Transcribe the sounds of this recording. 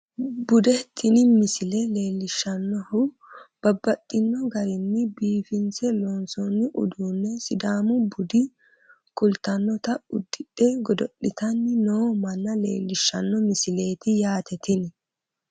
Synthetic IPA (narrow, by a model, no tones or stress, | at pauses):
bʊd̪ɛt̪ʰːɪnɪmɪsɪlɛle̞ːlːɪʃːɐnːɔhʊ | b̥ɐbːɐtʼːɪnːɔɡɐɾɪnːɪbiːfɪnt͡sɛlɔnsɔnːɪʔʊ̰d̪uːnːɛsɪd̪aːmʊbʊd̪ɪ | kʊlt̪ɐnːɔt̪ɐʊd̪ːɪᶑɛɡɔd̪ɔɗːɪt̪ɐnːɪnoːmɐnːɐlḛːlːɪʃːɐnːɔmɪsɪle̞ːt̪ɪjaːt̪ɛt̪ɪnɪ